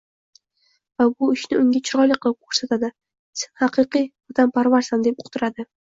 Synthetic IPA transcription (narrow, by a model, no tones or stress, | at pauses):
vabʊɪʃnɪʊŋʲat͡ʃʰɪɾɒlɪqʰɨlˠɪp̚kʰoɾsat̪ʰad̪ɪ | senhɑqɨqijɒt̪ʰampʰaɾvaɾsand̪e̞p̚ʊqt̪ʰɪɾad̪ɪ